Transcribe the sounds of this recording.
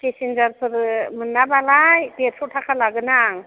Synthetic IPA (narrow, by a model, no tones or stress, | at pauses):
kesind͡ʒaɾpʰɯɾmɯnːabalajpeɾsʰuʈʰakʰalaɡɯnaŋ